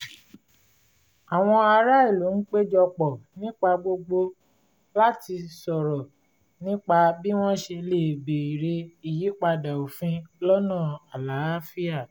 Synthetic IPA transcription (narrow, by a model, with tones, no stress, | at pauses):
a˨w̃ɔ̃˧a˧ɾa˦i˦˨lo˨˦n̩˦k͡pe˦d͡ʒɔ˧k͡pɔ˨nĩ˦k͡pa˧ɡ͡bo˧ɡ͡bo˧ | la˦ti˧sɔ˨ɾɔ˨ | nĩ˦k͡pa˧bi˦w̃ɔ̃˦ʃe˧le˨be˨i˨ɾe˧i˨ji˨˦k͡pa˧da˨o˨fĩ˧lɔ˦nã˦˨a˨la˨˦a˦fi˦a˦˨